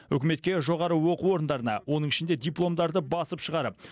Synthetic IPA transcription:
ʏkʲɪme̞t̪̚kʲe̞ʒo̞ʁɑɾəwo̞quo̞ɾənd̪ɑɾənɑ̰wo̞nəɴɪʃɪnd̪ed̪ʲijplˠo̞md̪ɑɾd̪əbɑsəpʃəʁɑɾəp̚

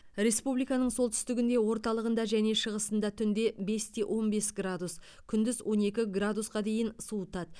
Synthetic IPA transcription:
ɾe̞spublijkɑnəɴso̞lˠt̪ʰʏ̥st̪ɪɡʲɪnd̪e̞wo̞ɾt̪ɑlˠəʁənd̪ɑʒæne̞ʃəʁəsənd̪ɑt̪ʰʏnd̪e̞be̞st̪ʰeʔo̞nbe̞sɡrad̪us | kʲʰʏnd̪ɪzwʔo̞ne̞kʲɪɡrad̪usqɑd̪e̞jɪnsuət̪ɑt̪

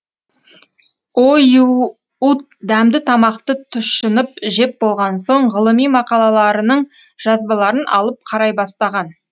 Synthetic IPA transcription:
oj | ut̪̚d̪æmd̪ɪt̪ʰɑmɑqt̪ət̪ʰʊʃənəp̚ʒe̞p̚bo̞lˠʁɑnso̞ɴʁəlˠəmijmɑqɑlˠɑlˠɑɾənəɴ | ʒ̥ɑzbɑlˠɑɾənʔɑ̰lˠəp̚qʰɑɾɑjbɑst̪ɑʁɑn

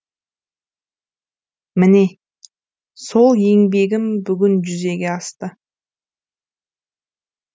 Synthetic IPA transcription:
mɪne̞ | so̞lˠje̞ŋbe̞ɡʲɪmbʏɡʲʏnʒʏze̞ɡʲe̞ɑst̪ə

